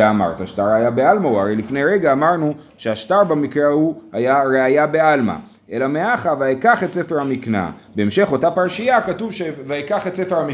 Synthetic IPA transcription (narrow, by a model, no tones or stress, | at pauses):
ama̰ʁt̪aaʃtaʁajabealmauaʁejlifne̞jʁeɡaːmaʁnu | ʃeaʃtaʁbamikʁeahuhajaʁeajabe̞alma̰ | ʔe̞lameaχavaekaχe̞tse̞feʁhamikna̰beːmʃe̞χo̞tapaʁʃijakatuvʃevaikaχetse̞feʁhami